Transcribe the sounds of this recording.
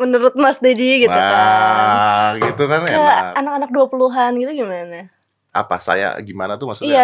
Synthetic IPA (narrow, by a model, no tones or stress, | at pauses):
mənuɾʊt̪̚masd̪ediɡiuka | ɡit̪ukanəanakanak̚duapuluɦanɡit̪uɡimana | a̰pa̰sa̰ja̰ɡimanat̪umasuija